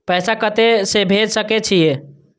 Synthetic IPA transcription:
pəjsakət̪esebʱed͡ʒsəket͡ʃʰije

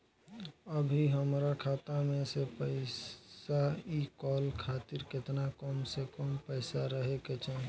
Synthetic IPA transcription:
əbʱiɦəmɾakʰaːt̪amẽsepəɪsaikɔːlkʰaːt̪iɾkɪt̪nakɔmsekɔmpəɪsaɾəɦeket͡ʃaɦ

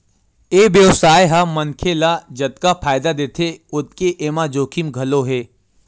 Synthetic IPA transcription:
eːʋjəʋsaːjɦamənkʰelad͡ʒət̪̚kapʰaːjd̪ad̪eːt̪ʰeʊt̪̚keʔeːmãd͡ʒoːkʰimɡʱɐloɦeː

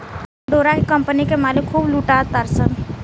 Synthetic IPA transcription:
ɖoːɾakekɐ̃mpənikemaːlɪkʰːuːbluːʈaːt̪aɾsən

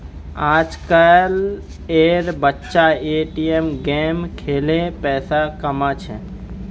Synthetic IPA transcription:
aːd͡ʒkəl | eːɾbətːʃaeːʈiemɡɛːmkʰeːlepɛːsakəmat͡ʃʰɛ̰

